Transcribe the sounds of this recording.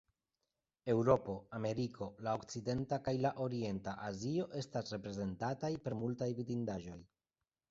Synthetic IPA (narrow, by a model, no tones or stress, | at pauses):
e̞wɾo̞po̞ame̞ɾikʰo̞lao̞kt͡side̞ntakajlaʔo̞ɾie̞ntaʔazio̞ʔe̞stasɾe̞pɾe̞ze̞ntatajpe̞ɾmultajvidindaʒo̞j